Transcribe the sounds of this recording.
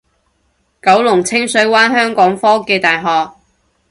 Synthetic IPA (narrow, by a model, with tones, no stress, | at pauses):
kɐ˨˥wlʊ˨˩ŋt͡sʰɪ˥ŋsɵ˨˥ɥwaː˥nɦœː˥ŋkɔː˨˥ŋfɔː˥kɛː˧t̪aː˨jɦɔː˨k̚